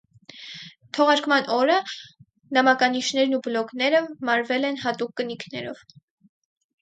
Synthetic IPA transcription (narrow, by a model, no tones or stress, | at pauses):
t̪ʰɔʁɑɾkmɑnʔɔɾə | nɑmɑkɑniʃn̪ɛɾnubəlɔknɛɾəmɑɾvɛlɛn̪ɦɑt̪ukːənikʰnɛɾɔ̰v̥